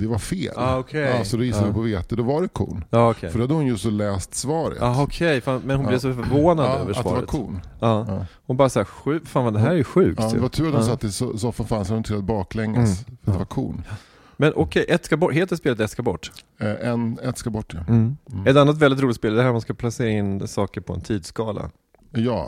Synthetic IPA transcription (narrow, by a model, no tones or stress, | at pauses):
d̪̥ɛvaɾfeːlɑɔkʰɛsɔd̪ɔjɪsadɪpʰɔveːt̪əd̪ɔvaɖɛkʰṵːnɑːɔkʰɛ̰jfœɖɔhad̪əhʊnjɵsɔlɛːst̪svɑːɾə̰ɑːɔkʰɛjfanmɛnhʊnlɪvsɔfœɾvoːnad̪ø̰ːvəʂavɑ̰ɾɛaə̰tk̪ʰuːnɑːhʊnbɑːɾasaːɧʉ̟ːfaːnvand̪ɛɦæːɾɛɾjʉɧʉ̟ːk̪̚ːdɛvat̪ʰʉ̟ːɾat̪d̪ɔmsat̪ːɪsɔsɔfanfansɾɛnɔmt̪ʰɪlat̪̚bɑːklɛŋːə̰sfɾat̪d̪ɛvaɾkʰṵːn | mɛnʔɔkʰɛʔɛt̪skabɔʈheːt̪əɾspeːlət̪ɛt̪skabɔʈː | ʔɛnɛt̪skabɔʈːəm̩ɛt̪anːat̪̬vɛld̪ɪt̪ɾuːlɪt̪speːld̪ɛhæɾmanskapʰlaseːɾaɪnːsɑːkəɾpʰɔɛ̰nt̪ʰiːd̪skɑːla̰ | jɑ̰ː